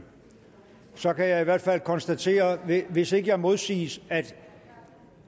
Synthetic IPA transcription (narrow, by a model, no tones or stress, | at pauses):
sɒ̽kʰæjɑ̈ɪiʋæɐd̥fæl̰kʰɒ̽nsd̥æt͡sʰe̝̰ːɐʋe̝se̝ɡ̥əjɑ̈ɪmo̝ð̞ˠsḭːsæd̥